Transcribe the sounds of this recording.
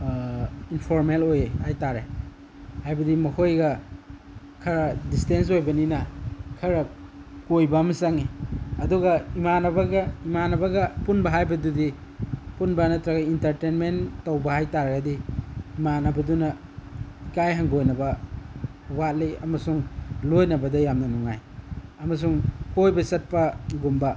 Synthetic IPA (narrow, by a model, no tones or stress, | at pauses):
inpʰoɾmelojehajtaɾe | hajbɐdimɐkʰojɡɐ | kʰɐɾɐdistens̬ojbɐninɐkʰɐɾɐ | kojbamɐsaŋeɐduɡɐimanɐbɐɡɐimanɐbɐɡɐpunbɐɦajbɐdudipunbɐnɐtɾɐɡɐintɐɾtenmentowbɐhajtaɾɐɡɐdiːmanɐbɐdunɐ | ikajɦaŋɡojnɐbɐ | wat̚liɐmɐsuŋlojnɐbɐdɐjamnɐnuŋajɐmɐs̬uŋkojbɐsɐt̚pɐɡumbɐ